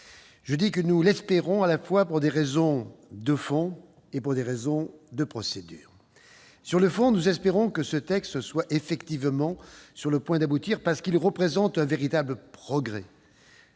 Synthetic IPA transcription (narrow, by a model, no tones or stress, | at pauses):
ʒ̥əd̪ikənulɛspeʁɔ̃alafwapuʁd̪eʁezɔ̃d̪əfɔ̃ | epuʁd̪eʁezɔ̃d̪əpχɔsed̪y̰ːʁ | syʁləfɔ̃nuzɛspeʁɔ̃kəsət̪ɛkst̪swaʔefɛkt̪ivmɑ̃syʁləpwɛ̃d̪abut̪iʁpaʁsə̥kilʁəpχezɑ̃t̪ɛ̃veʁit̪abləpχɔɡʁɛ